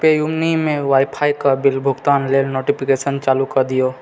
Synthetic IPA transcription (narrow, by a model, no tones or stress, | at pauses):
pejumnimẽʋaːɪpʰaːjkabɪlbʱʊɡt̪aːnleːlnoːʈipʰikesənt͡ʃaːlukɐɾd̪ijoː